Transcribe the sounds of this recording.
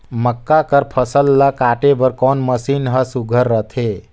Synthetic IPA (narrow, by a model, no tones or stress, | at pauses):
məkːakəɾpʰəsəlːakaːʈebəɾkɔːnməsinɦəsuɡʱəɾːət̪ʰe